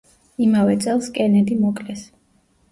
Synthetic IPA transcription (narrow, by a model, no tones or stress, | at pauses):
imavɛt̪sʼɛlˠskʼɛnɛd̪imɔkʼlɛs